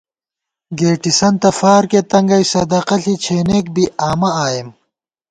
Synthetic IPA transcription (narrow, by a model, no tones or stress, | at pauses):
ɡeːʈisɐnt̪ɐfaːɾket̪ɐŋɡɐjsɐd̪ɐqɐɬit͡ɕʰeːneːk̚biaːmɐaːjem